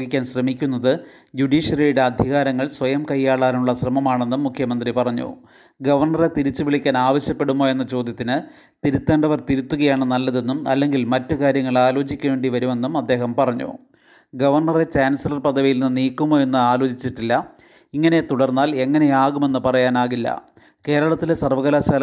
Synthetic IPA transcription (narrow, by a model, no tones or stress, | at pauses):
ɡikʲːaːnɕrɐmikʲːun̪ːɐðɨ | d͡ʑuɖiːʂɐlijuɽeɐd̪ʱiɣaːɾɐŋːɐɭsʋɐjɐmkɐjːaːɭaːuɭːɐɕrɐmɐmaːɳe̞nːumːukʰjɐmɐnd̪ripɐrɐɲːṵ | ɡɐʋɐrɳɐre̞t̪iɾit͡ɕːuʋiɭikʲːaːnaːʋɐɕjɐpːe̞ɽumːoːje̞nːɐt͡ɕo̞ːd̪ʱjɐt̪ːinɨ | t̪iɾut̪ːeːɳɖɐʋɐrt̪iɾut̪ːuɣɐjaːɳɨnɐlːɐðe̞nːumɐ̰lːe̞ŋɡilmɐtːɨkaːɾjɐŋːɐɭaːlo̞ːt͡ɕikʲːe̞ːɳɖiʋɐɾume̞nːumɐd̪ːe̞ːɦɐmpɐrɐɲːṵ | ɡɐʋɐrɳɐre̞t͡ɕaːnsɐlɐrpɐd̪ʱɐʋijilnnːɨniːkːumːo̞ːje̞nːɨaːloːt͡ɕit͡ɕːiʈːilːɐ | iŋːɐne̞t̪uɽɐrnːaːle̞ŋːɐne̞jaːɣume̞nːɨpɐrɐjaːnaːɣilːɐ̰ | ke̞ːɾɐɭɐt̪ːilesɐrʋɐɣɐlaːɕaːl